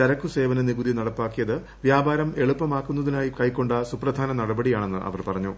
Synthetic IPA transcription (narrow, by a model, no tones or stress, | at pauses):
t͡ɕɐɾɐkːuse̞ːʋɐnɐniɡud̪inɐɽɐpːaːkːijɐðɨ | ʋjaːbʱaːɾɐme̞ɭupːɐmaːkːunːɐðinaːjikɐjkːo̞ɳɖɐsuprɐd̪ʱaːnɐnɐɽɐbɐɽijaːɳe̞nːɨʔɐ̰ʋɐrpɐrɐɲːu